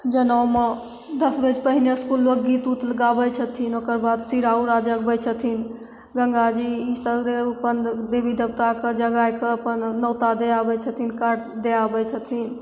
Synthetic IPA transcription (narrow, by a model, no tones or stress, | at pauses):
d͡ʒənəwme | d̪əsbəd͡ʒpəɦineskulmekɡit̪ut̪ləɡabɛt͡ʃʰət̪ʰinokəɾbad̪siɾauɾad͡ʒək̚bət͡ʃʰət̪ʰin | ɡə̃ŋɡad͡ʒiit̪əd̪eupənd̪ebid̪əbt̪aked͡ʒəɡajkeəpənːəwt̪ad̪eabɛt͡ʃʰət̪ʰinkaʈd̪eabɛt͡ʃʰət̪ʰin